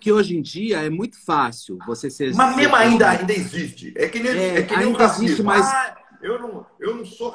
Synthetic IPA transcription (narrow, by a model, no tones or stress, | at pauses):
ʊkɪoʒẽj̃d͡ʒiɐɛmũj̃t̪ʊ̥fasiwvosesemɐzmẽzmʊaĩnd̪ɐaĩnd̪ɐɪzist͡ʃɪ̰ɛkɪnẽɛɛkɪaĩnɐizist͡ʃɪmajz | ewnɐ̃w̃ewnɐ̃w̃so